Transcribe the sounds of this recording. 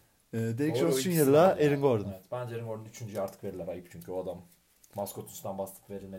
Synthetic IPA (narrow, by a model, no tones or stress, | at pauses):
ɛːd̪eɾiksont͡ʃynjɯlˠaeɾinɡoɾd̪ɯmt̪bænd͡ʒɛeɾiŋɡo̞ɾd̪unyt͡ʃʰynd͡ʒyaɾt̪ʰɯ̥kveɾilʲːɛɾajɯpt͡ʃʰyɲcʰyoad̪amː | askot̪ʰunst̪anbast̪ˠɯ̥kve̞ɾilʲme